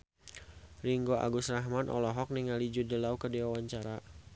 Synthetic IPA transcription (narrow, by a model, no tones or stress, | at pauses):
riŋɡoʔa̰ɡusraɦmanʔɔ̰lɔɦɔk̚niŋalid͡ʒudəlaukədiwawaɲt͡ʃaɾa